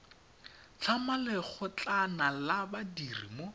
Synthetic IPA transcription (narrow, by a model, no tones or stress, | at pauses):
t͡ɬʰamalɛk͡xʊt͡ɬanalabadirḭmo